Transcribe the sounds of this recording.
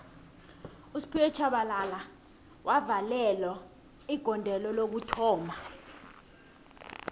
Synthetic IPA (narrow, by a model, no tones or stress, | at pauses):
usi̥pʰiwɛt͡ʃʰaɓalala | wʔavalɛlɔ | iɡ̥ʱɔndʱɛlɔlok̬utʰɔːmʱa